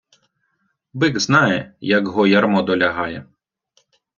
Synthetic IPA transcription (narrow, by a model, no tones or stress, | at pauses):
bɪɡznɑjɛjɐkɦɔjɐrmɔd̪ɔlʲɐɦɑjɛ